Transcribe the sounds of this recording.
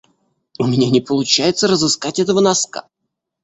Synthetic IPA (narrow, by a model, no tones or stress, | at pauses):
ʊmʲɪnʲanʲɪpəlˠʊt͡ɕæjɪt̪səɾəzɨskatʲɛt̪əvənɐska̰